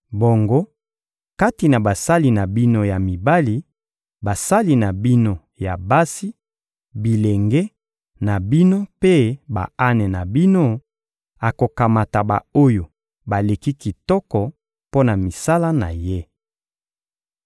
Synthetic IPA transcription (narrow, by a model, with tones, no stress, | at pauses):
bo˨ŋɡo˦ | ka˦ti˨na˨ba˨sa˦li˨na˨bi˦no˦ja˨mi˨ba˦li˦ | ba˨sa˦li˦na˨bi˦no˨ | ja˨ba˦si˦ | bi˨le˨ŋɡɛ˦ | na˨bi˦no˦pe˦ba̰˨a˦nɛ˨na˨bi˦no˦ | a˨ko˨ka˨ma˨ta˨ba̰˨o˦jo˨ | ba˨le˨ki˦ki˨tɔ˦kɔ˨ | po˦na˨mi˨sa˦la˦na̰˨je˦